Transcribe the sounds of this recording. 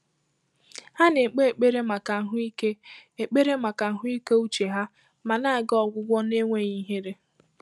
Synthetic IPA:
ha˦ne˨k͡pe˦e˨k͡pe˦ɾe˦ma˨ka˨ŋ̩˦ɦʊ˦i˦ke˦e˨k͡pe˦ɾe˦ma˨ka˨ŋ̩˨ɦʊ˦i˦ke˦u˦t͡ʃe˨ɦa˦ | ma˨na˦a˨ɡɔ˨ɡʷʊ˦ɡʷɔ˦ne˦ŋʷe˦ɲi˦ɦe˦ɾe˦

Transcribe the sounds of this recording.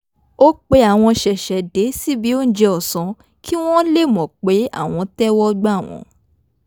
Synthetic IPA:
o˦k͡pe˧˦a˦˨w̃ɔ̃˧ʃɛ˨ʃɛ˨de˨˦si˦bi˨˦o˦n̩˦d͡ʒe˧ɔ˨sɔ̃˨˦ | kʰi˦w̃ɔ̃˦le˦˨mɔ̃˨k͡pe˨˦a̰˦˨w̃ɔ̃˧tɛ˦wɔ˦ɡ͡ba˦˨w̃ɔ̰̃˨˦

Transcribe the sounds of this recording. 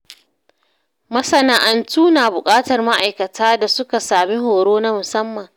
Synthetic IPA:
mɐ˦sɐ˦naː˦ʔa˦ntuː˦naː˨bʊ˨kʼaː˦tɐ˨rma˦ʔa˨jkɐ˨tʰaː˦da˨sʊ˦ka˨saː˨mi˦ɦoː˨ɽoː˦na˦mʊ˨sɐ˦mːɐ˨ŋ

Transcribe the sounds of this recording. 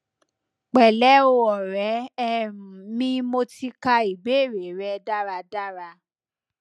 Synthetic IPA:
k͡pɛ˨lɛ˨˦o˧ɔ˨ɾɛ̃˨˦˧ | mĩ˦mo˧ti˧ka˧i˨ɡ͡be˨˦˨ɾe˨ɾɛ˧˦da˦ɾa˧da˦ɾa˧

